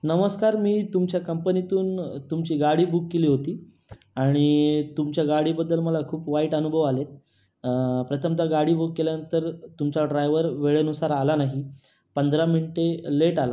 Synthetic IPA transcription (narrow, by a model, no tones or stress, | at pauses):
nəməskaɾmiːt̪umt͡ɕjakəmpənit̪uːnt̪umt͡ɕiːɡaɽiːbukːeliːɦot̪iː | aɽ̃it̪umt͡ɕjaɡaɽiːbəd̪ːəlməlakʰuːpʋaiːʈənubʱəʋalet̪̚ | pɾət̪ʰəmt̪aɡaɽiːbukːeljanənt̪əɾt̪umt͡ɕaɖɾajʋəɾʋeɭenusaɾalanaɦi | pənd̪ʱɾaminiʈeleʈala̰